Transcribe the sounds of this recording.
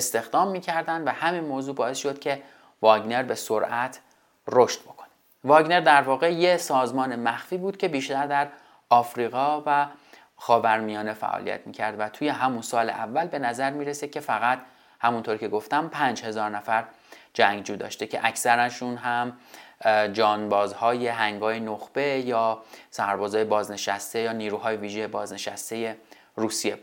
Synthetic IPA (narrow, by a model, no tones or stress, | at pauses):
est̪e̞xd̪ɒːmːiːcʰæɾd̪ænd̪væhæmiːnmoːzuːbɒːe̞sʃo̞d̪̥̚cʲʰe̞ | vɒːɡne̞ɾbe̞so̞ɾʔæt̪ʰ | roʃt̪̚b̥o̞kʰone | vɒːɡne̞ɾd̪æɾvɒːɣe̞jesɒːzmɒːnemæxfiːbuːd̪̚cʰʲe̞biːʃt̪æɾd̪æɾ | ɒːfɾiːɣɒːvæ | xɒːvæɾmijɒːne̞fæ̰ʔɒ̰ːlḭjæ̰t̪ʰmiːcʰæɾd̪væt̪ʰuːje̞ɦæmunsɒːlḛʔævːælbe̞næzæɾmiːɾesecʰʲe̞fæɣæt̪ | hæmunt̪ʰoɾicʰe̞ɡo̞ft̪æmpʰænd͡ʒhe̞zɒːɾnæfæɾ | d͡ʒæŋɡd͡ʒuːd̪ɒ̰ːʃt̪ecʰe̞ʔæcʰsæɾænʃunɦæm | d͡ʒɒːnbɒːzhɒːje̞ɦæŋɡɒːjenoxb̥e̞jɒːsæɾbɒːzɒːje̞bɒːzne̞ʃæst̪ejɒːniːɾuɦɒːjeviːʒejebɒːzne̞ʃæ̰st̪e̞je̞ | ɾuːsije